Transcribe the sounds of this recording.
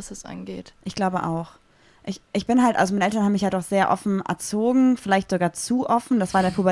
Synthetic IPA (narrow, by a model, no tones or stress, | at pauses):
asɛsʔa̰nɡeːtʔɪçɡ̥laʊbəʔa̰ʊx | ʔɪçʔɪçb̥ɪnɦaltʔalzomaɪnəʔɛtɐnhabmɪçjadɔχz̥eːɐʔɔ̰fn̩ʔɛ̰ɐt͡soːɡŋ̩fɪlaɪçtz̥oɡaːɐt͡suːʔɔfn̩d̥asv̥aːɐɪndeɐpʰubɐ